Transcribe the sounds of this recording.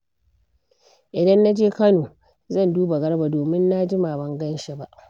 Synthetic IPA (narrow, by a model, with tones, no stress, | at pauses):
ʔɪ˨dɐ˦nːa˦d͡ʒeː˦kɐ˦noː˨ | zɐ˦˨nduː˦ba˨ɡɐ˦ɽba˨doː˨mɪ˦nːa˦d͡ʒɪ˦ma˨bɐ˦ŋɡɐ˦nʃa˦ba˦ʔ